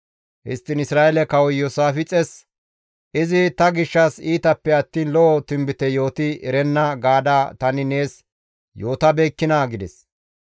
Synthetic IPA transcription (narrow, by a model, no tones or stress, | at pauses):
hɪ̰st̪ːɪnɪsɾaːʔɛlɛkɐwɔjosaːfɪt͡sʼɛs | ʔɪzɪt̪ɐɡɪʃːɐsiːt̪ɐpːɛɐt̪ːiːnlɔʔɔt̪ɪmbɪt̪ɛjo̞ːt̪ɪɛɾɛnːɐɡaːd̪aːt̪ɐnɪne̞ːs | jo̞ːt̪ɐbeːkːɪnaɡɪd̪ɛs